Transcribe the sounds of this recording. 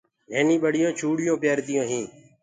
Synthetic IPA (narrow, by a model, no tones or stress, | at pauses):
ɦeːnĩːɓəɽ̤ɪjõːt͡ʃʰuːɽɪjõːpjaːɾt̪ɪjõːɦĩː